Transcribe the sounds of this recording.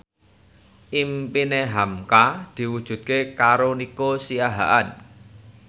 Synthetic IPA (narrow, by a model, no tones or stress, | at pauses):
ʔimpineɦamkad̪̥i̤wud̥ʒ̥ṳt̪̚kekaɾonikosijaɦa̰ʔan